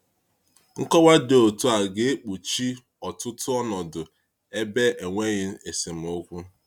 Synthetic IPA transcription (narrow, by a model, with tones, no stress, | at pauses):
ŋ̩˦kɔ˦wa˦de˨o˨tu˦a˨ɡe˦e˦k͡pu˨t͡ʃi˦ | ɔ˨tʊ˦tʊ˦ɔ˦nɔ˨dʊ˨ | e˦be˦e˨ŋʷe˦ɲɪ˦e˨se˨m̩˨o˦kʷu˦